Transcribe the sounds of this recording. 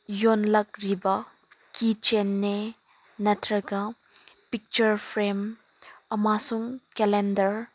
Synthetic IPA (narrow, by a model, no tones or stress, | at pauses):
jɔnlɐk̚ɾibɐ | kit͡ʃenːe | nɐtʰɾɐɡɐ | pik̚t͡ʃɐɾpʰɾem | ɐmasuŋkɛlendɐɾ